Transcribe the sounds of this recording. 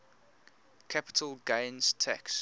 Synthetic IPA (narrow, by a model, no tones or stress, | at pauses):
kʰapɪ̥tʰəlɡẽɪnz̥tʰæ̰ks